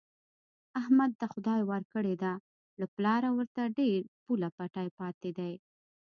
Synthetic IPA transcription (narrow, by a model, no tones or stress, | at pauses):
ahmad̪̚ːaxʊd̪ɑjwaɾkəɽed̪a | laplɑɾawəɾt̪aɖeɾpulapaʈɑjpɑt̪ed̪aj